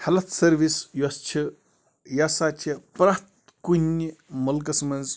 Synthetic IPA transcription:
hɐlɐt̪ʰsɐɾʋisjost͡ʃʰi | jasat͡ʃʰipɾat̪ | kunʲmɐlk̬ɐsmɐnz

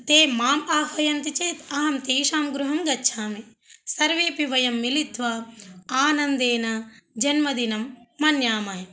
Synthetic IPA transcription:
t̪eːmaːmaːɦʋɐjɐnt̪it͡ʃeːt̪ɐɦɐmt̪eːʃaːmɡɾuɦɐmɡɐtːʃʰaːmi | sɐɾʋeːpiʋɐjɐmːilit̪ʋɐaːnɐnd̪eːnɐd͡ʒɐnmɐd̪inɐmːɐnjaːmaːjɐ

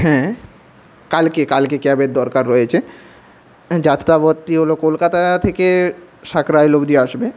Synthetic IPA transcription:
ɦɛ̃ː | kalkekalkekɛbed̪d̪ɔɾkaɾːɔjet͡ɕʰe | d͡ʑat̪ɾabot̪ːiɦolokolkat̪at̪ʰekeʃakɾajlobd̪ieaʃbe

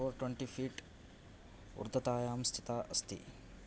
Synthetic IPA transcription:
oːɾʈweɳʈiːpʰiːʈ | ṵɾd̪ʱɐt̪aːjaːmst̪ʰi̥t̪aːʔɐst̪ḭ

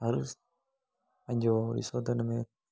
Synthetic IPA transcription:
ɐɾs | ɐ̃ɲd͡ʑoːɾḭsoːd̪ənmẽ

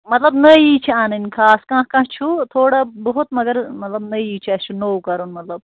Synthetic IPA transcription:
mɐt̪lɐbnɐiːt͡ʃʰiaːnɐnʲkʰaːskãːɦkɐ̃ɦt͡ʃʰut̪ʰoːɽabɐɦut̪mɐɡɐɾmɐt̪lɐbnɐiːt͡ʃʰiɐst͡ʃʰunowkɐɾunmɐt̪lɐb̚

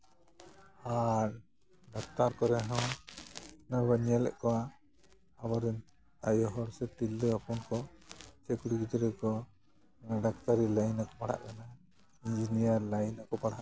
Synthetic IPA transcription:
haɾ | ɖakt̪aɾkɔɾɛɦɔ̃ | nabəɲɛlɛ̰ʔkɔwa | abɔɾɛn | ajɔɦɔɽsɛt̪ilːəapunkɔt͡ʃɛkuɽiɡit̪ɾɛkɔ | aɖakt̪aɾilajnakɔpaɽa̰ʔkana | id͡ʒinijaɾlajnakɔpaɽaʔ

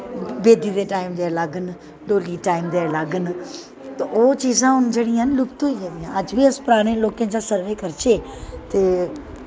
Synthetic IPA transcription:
beːd̪id̪eʈaːɪmd̪eːlaːɡən | ɖoːliʈaːɪmd̪eːlaːɡənɪ̆ | t̪ɐot͡ɕiːzãʊnd͡ʑeɽ̃ĩanɪlʊkt̪oieʋ̪iãɐd͡ʒbʱiɐspɾaːɽ̃ẽloːkə̃n̆d͡ʑaːsɐɾʋeːkɐɾt͡ɕe | t̪e

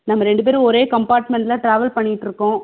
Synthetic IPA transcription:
nɐmːɐɾɛɳɖɯp̬eːɾɯ̃ɔɾeːkɐmpaːɾʈmɛɳʈlaːʈɾaːʋɐlpɐɳːɪɪʈːɾɯkːʊ̃ː

